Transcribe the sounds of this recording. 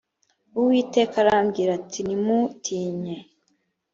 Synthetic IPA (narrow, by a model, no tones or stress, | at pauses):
uwiːte̞ːkaɾamɡiːɾatinimutʰiːɲe